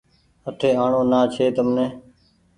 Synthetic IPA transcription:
əʈʰeːaːɳoːnaːt͡ʃʰeːt̪əmnẽː

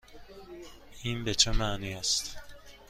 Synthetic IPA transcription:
ʔiːnbet͡ʃʰemæːniːæst̪

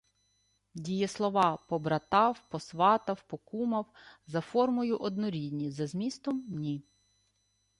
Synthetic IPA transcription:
dʲijɛslˠɔʋɑpɔbɾɐt̪ɑwpɔsʋɑt̪ɐwpɔkumɐwzɐfɔrmɔjʊʔɔd̪nɔɾʲid̪ʲnʲizɐzʲmʲist̪ɔmːnʲi

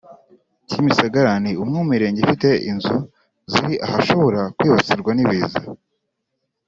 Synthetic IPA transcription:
cimisaɡaɾaniumŋumiɾe̞ːɲɟefite̞ʔḭnzu | ziɾiʔahaʃo̞βo̞ɾakwiːβat͡siɾɡwaniβiːza

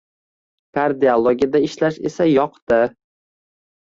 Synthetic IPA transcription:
kʰaɾd̪iolˠoɡʲiad̪aɪʃlaʃe̞̰sajɒqt̪ɪ

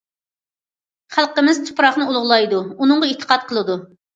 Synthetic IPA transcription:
χælˠqəmɪzt̪ʰu̥pɾɑχnɨulˠʊʁlˠɑjd̪uunɨɴʁɑet̪ʰːə̥qɑt̪̚qʰəlˠɨd̪u

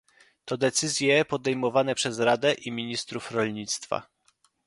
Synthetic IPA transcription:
t̪ɔd̪ɛt̪sɘzʲjɛpɔd̪ɛjmɔvanɛpʂɛzɾad̪ɛʔimʲiɲist̪ɾufɾɔlʲɲit̪st̪fa̰

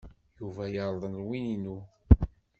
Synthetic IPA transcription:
juvæjəɾˤðˤənlwininu

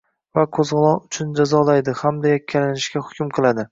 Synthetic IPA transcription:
vaqʰozʁɨlˠɒʊt͡ʃʰʊnd͡ʒazɒlajd̪ɪhamd̪ajakʲʰːalanɪʃkʲahʊ̥kʲʊmqʰɨlˠad̪ɪ

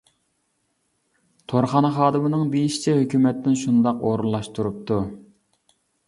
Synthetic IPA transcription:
t̪ʰoɾχɑnɨχɑːd̪ɨmɨnɨŋbejiʃi̥t͡ʃʰɛɦøkʲymɛt̪ːɪnʃund̪ɑqoːɾulˠːɑʃt̪uɾup̚t̪ʰu

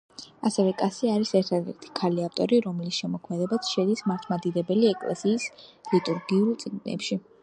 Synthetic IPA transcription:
asɛvɛkʼasiaɾisɛɾt̪ʰad̪ɛ̰ɾt̪ʰi̥kʰaliaft̪ʼɔ̰ɾiɾɔmɛlisʃɛmɔkʰmɛd̪ɛbatsʰʃɛd̪ismaɾt̪ʰmad̪id̪ɛbɛliɛkʼlɛ̰siːslit̪ʼuɾɡiulˠt̪sʼɡnɛ̰pʃi

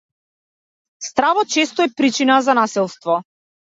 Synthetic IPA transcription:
st̪ɾavɔt̪̚t͡ʃɛst̪ɔɛpɾit͡ʃinazanasɛlˠst̪vɔ

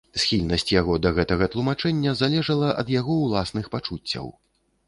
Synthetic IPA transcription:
sʲxʲilʲnɐsʲt͡sʲjaɣɔd̪ɐɣɛt̪ɐɣɐt̪lˠumat͡ʂɛnʲːɐzalʲɛʐɐlˠɐʔɐ̰d̪jaɣɔwlˠasnɨxpat͡ʂut͡sʲːɐ̰w

